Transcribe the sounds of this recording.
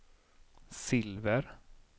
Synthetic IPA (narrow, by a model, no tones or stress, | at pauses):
sɪlvəɾ